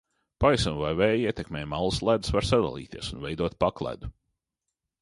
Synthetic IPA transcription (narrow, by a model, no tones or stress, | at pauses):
pajsunvajvɛːjiɛt̪ʲekmɛːjmalˠuslˠæd̪svaɾsad̪a̰lˠḭːt̪iɛsunvejd̪uɔt̪̚paklˠæ̰d̪u